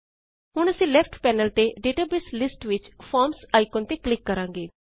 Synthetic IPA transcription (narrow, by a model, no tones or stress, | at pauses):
ɦʊɽ̃əsĩːlɛpʰʈpɛːnəlt̪eɖeːʈaːbeslɪsʈʋɪt͡ʃpʰɔːɾmsaːɪkoːnt̪eːklɪkːəɾãːŋɡeː